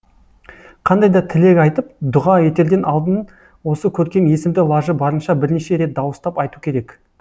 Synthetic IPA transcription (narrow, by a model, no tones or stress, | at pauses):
qʰɑnd̪ɑjd̪ɑt̪ʰɪle̞kʲɑjt̪əp̚d̪ʊʁɑe̞t̪e̞ɾd̪e̞nʔɑlˠd̪ən | wo̞səkʲʰɵɾkʲe̞mje̞sɪmd̪ɪlˠɑʒəbɑɾənʃɑbɪɾneʃe̞ɾe̞t̪̚d̪ɑwəst̪ɑpɑjt̪ukʲʰe̞ɾe̞k